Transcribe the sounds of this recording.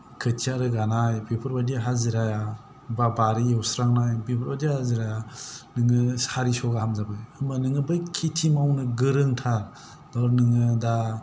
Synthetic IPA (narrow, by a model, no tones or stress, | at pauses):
kʰɯtʰiaɾɯɡanajpepʰɯɾbadiɦaziɾaja | babaɾijɔwsɾaŋnajbepʰɯɾbadihaziɾajanɯŋɯsaɾisɔɡahamzabɯjɯmanɯŋɯbɯjkʰitʰimawnɯɡɯɾɯŋtʰaɾ | dɔɾnɯŋɯda